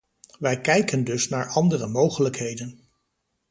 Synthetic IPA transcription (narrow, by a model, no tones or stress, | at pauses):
ʋɛjkɛjkəndɵsnaːɹɑndərəmowχələkɦejdən